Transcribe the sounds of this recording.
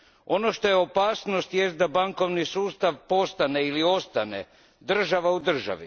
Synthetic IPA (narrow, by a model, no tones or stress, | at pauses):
o̞no̞ʃt̪o̞jeo̞paːsnost̪jest̪̚d̪abaŋko̞ʋnisuːst̪aʋpo̞st̪aneilio̞st̪anḛ | d̪r̩ʒaʋaud̪r̩ʒa̰ʋḭ